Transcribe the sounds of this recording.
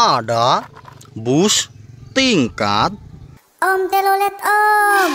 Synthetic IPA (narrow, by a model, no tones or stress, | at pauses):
aɖa | bust̪iŋkã̰t̪̚ | ɔmt̪elolet̪ɔ